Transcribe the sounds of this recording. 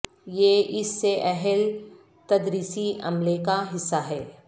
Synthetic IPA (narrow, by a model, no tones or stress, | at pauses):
jeːʔɪsːeʔɛɦɛl | t̪ɐd̪ɾiːsiɐ̰mlekaɦɪsːaɦɛː